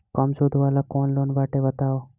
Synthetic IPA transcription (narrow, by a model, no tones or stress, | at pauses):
kəmsoːd̪ʱʋaːlakoːnloːnbaːʈebɐt̪aːoː